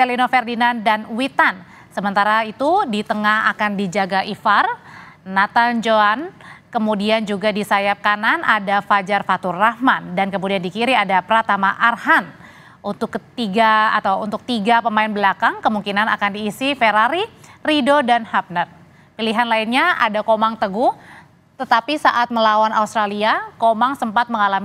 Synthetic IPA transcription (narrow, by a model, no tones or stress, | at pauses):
elinofɛrdinandanwit̪an | səmənt̪aɾait̪udit̪əŋaha̰kandid͡ʒaɡaʔifar | nat̪and͡ʒoankəmudiand͡ʒuɡadisajap̚kananʔadafad͡ʒarfat̪urːahmandankəmudiandikiɾiadapɾat̪amaʔarhan | unt̪ʊkt̪iɡaa̰t̪awṵnt̪ʊk̚t̪iɡapəmaɪnbəlakaŋkəmuŋkinana̰kandiːsifeɾaɾiridodanhap̚nət̪̚ | piliɦanlainɲaʔa̰dakomaŋt̪əɡʊh | t̪ət̪apisaʔat̪̚məlawana̰ust̪ɾaliakomaŋsəmpat̪̚məŋalami